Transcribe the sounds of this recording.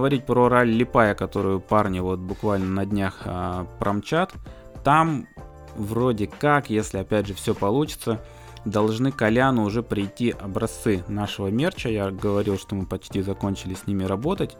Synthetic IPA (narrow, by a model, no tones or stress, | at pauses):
əvɐɾʲit̚ʲpɾoɾalʲːɪpajəkɐt̪o̞ɾʊjʊparnʲɪvot̪̚bʊkvalʲnənɐdʲnʲaxəpɾʔɐmt͡ɕat̪ | t̪am | vro̞dʲɪkakjesʲlʲɪɐpʲædʲʐɨfsʲopɐlˠut͡ɕɪ̥t̪sə | d̪ɐlˠʐnɨkɐlʲanʊʊʐɛpɾʲɪjtʲːiʔɐbɾɐst̪sɨnaʂəvəmʲe̞rt͡ɕəjaɡəvɐɾʲilˠʂt̪o̞mɨpɐt͡ɕtʲizɐko̞nʲt͡ɕɪlʲɪsʲnʲimʲɪɾɐbo̞t̪ətʲ